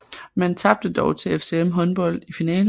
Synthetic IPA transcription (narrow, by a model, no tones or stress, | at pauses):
mænt͡sʰɑ̈b̥̚d̥əd̥ɒʊt͡sʰe̝efse̝emɦɒ̽nb̥ɒ̽l̰d̥ifinɛ̰ːl